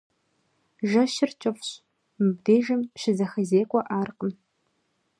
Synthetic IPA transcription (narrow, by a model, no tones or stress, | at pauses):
ʒɐʃɪrt͡ʃʼɪfɕ | mɨb̚deːʒɐmʃɪzɐxɐzeːkʷʼɔʔaːrqʼəm